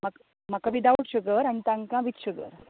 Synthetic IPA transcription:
mak | makaʋid̪aʋəʈɕəɡəɾañit̪ãŋkãʋit̪ɕəɡə̰ɾ

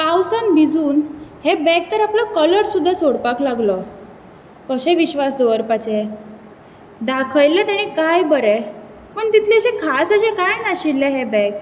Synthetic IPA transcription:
pawsanbʱid͡zuːnhebɛk̚t̪əɾaplɔkələɾsud̪ʱːasoɽpaklaɡlɔ | kəɕɛ̃ʋiɕʋasd̪oʋəɾpat͡ɕe | d̪akʰəjlɛt̪aɽ̃ikajbəɾe | pəɳt̪it̪ʰleɕẽkʰasəɕẽkajnaɕilːɛɦebɛ̃k

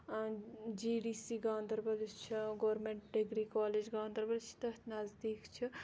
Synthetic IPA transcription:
d͡ʒiɖisiɡãːnd̪əɾbɐlt͡ʃʰiɡoːɾmeɳʈɖiɡɾikaːled͡ʒɡaːnd̪əɾbɐlt͡ʃʰi̥t̪ɐt̪nɐzd̪iːkt͡ʃʰi

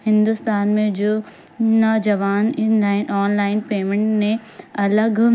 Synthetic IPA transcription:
hɪ̃nd̪ʊst̪aːnmẽd͡ʑoː | nɔːd͡ʑɐʋaːnnlaːɪnʔɔːnlaːɪnpeːmẽɳʈmẽɐləɡ

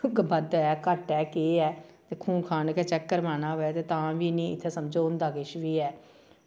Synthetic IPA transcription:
bəd̪ɛːkəʈɛːkeːɛːt̪eːkʰũːkʰaːnkɛːt͡ʃɛkːəɾmaːnaːoːɛːt̪eːt̪ãːʋiːnĩːɪt̪ʰːeːsəmd͡ʒoːʊ̃nd̪aːɡɪʃʋiːɛː

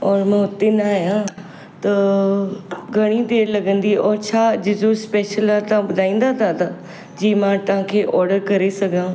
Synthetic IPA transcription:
ɔːɾmɛ̃ːʊt̪enaːɦijã | t̪ɐ | ɡʱɐɽ̃it̪elɐɡə̃nd̪iɔːɾt͡ɕʰaːd͡ʑɪd͡ʑospeːʃəlat̪ɐʋãbʊd̪ʱaːĩːn̆d̪at̪ʰat̪ʰa | d͡ʑiːmãt̪ɐʋ̤ãkʰeːʔɔːɾɖəɾkɐɾesɐɡʱãː

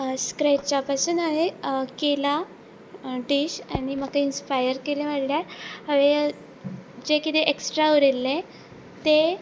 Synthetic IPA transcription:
skɾeʈ̚t͡ɕapasuːnaɦekela | ɖiɕañiməkainspajəɾkeleʋaɽljaɦəʋe | d͡ʑekit̪eʔeksʈɾauɾilːe | t̪e

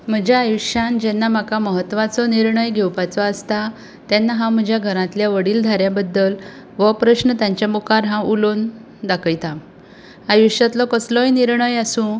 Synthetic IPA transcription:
m̤əd͡ʑjaːjuɕjãnd͡ʑɛnːam̤akaməɦət̪ːʋat͡sɔniɾɳəjɡʱewpat͡sɔast̪a | t̪janːaɦãm̤əd͡ʑʱjaɡʱəɾãt̪ljaʋəɽiːld̪ʱaɾjabəd̪ːəl | ʋəpɾəɕnət̪jãɲt͡ɕjamokaɾɦãulon | d̪akʰəjt̪am | ajuɕjat̪lɔkəslɔjniɾɳəjasũː

